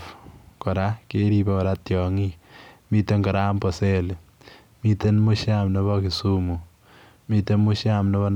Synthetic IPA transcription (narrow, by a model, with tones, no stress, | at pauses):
fkɔ˨ɾa˦ke˦ɾi˧be˦kɔ˨ɾa˦tjɔ˨ŋimi˦te˦ŋɡɔ˨ɾa˦mpɔ˨se˦l | mi˧te˦nmu˦ʃamnɔ˦βɔ˦ki˨su˦mu˨ | mi˦te˦mu˦ʃjamnɔ˦βɔ˦n